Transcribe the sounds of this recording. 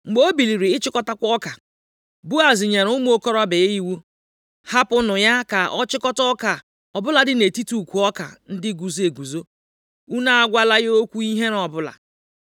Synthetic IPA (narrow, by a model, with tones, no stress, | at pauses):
ŋ͡m̩˨ɡ͡bo˦bi˨li˨ɾi˨ɪ˦t͡ʃɪ˦kɔ˦ta˦kʷɔ˦ka˨ | bu˦a˨zɪ˨ɲe˨ɾʊ˦m˦o˦kɔ˦ɾɔ˦be˨˦i˦wu˦ | ha˦pʊ˦nʊ˨ja˦ka˨ʔɔ˦t͡ʃɪ˦kɔ˦tɔ˦ka˨ | ɔ˨bʊ˦la˨dɪ˦ne˨ti˦tu˨kʷu˨ɔ˦ka̰˨n̩˦dɪ˦ɡu˨ze˨ɡu˨zo˦ | u˦na˦a˦ɡʷa˦la˦jo˦kʷu˦i˦ɦe˦nɔ˨bʊ˦la̰˨